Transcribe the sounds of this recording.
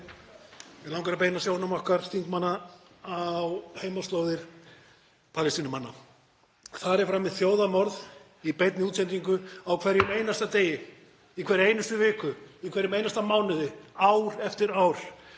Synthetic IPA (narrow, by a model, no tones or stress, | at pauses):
ɛlawŋkaɾapejnasjownamɔhkaɾ̥st̪iŋkmanːaawheːjmast̪loːwðɪɾ̥ | pʰaːlɪst̪iːnʏmanːa̰ | θaɾɛɾ̥fɾamːɪðθjoːwðamɔɾð | ipejt̪nɪuːt̪sɛnt̪iŋkʏawkʰvɛɾːɪmeːjnast̪at̪eːjɪ | ikʰvɛɾɪeːjnʏst̪ʏvɪːkʏikʰɛɾjɪmejnast̪amaːwnʏðɪawɾɛft̪ɪɾaːwɾ̥